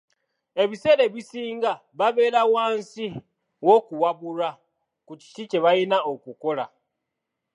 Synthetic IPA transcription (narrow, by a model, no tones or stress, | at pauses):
e̞βise̞ːɾe̞βisiːŋɡa | βaβe̞ːɾawaːnsi | wo̞kuwaβuɾa | kuci̥t͡ʃit͡ʃe̞βajinaokuko̞la̰